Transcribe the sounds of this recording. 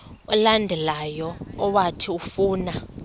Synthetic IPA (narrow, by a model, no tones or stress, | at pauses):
ulandʱɛlajɔːwatʰiufuːna